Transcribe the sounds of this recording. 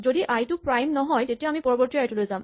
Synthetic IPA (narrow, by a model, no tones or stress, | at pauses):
zodiʔajtupɹajmnɔɦɔjtetijaamipɔɹɔbɔɹtiajtulojzam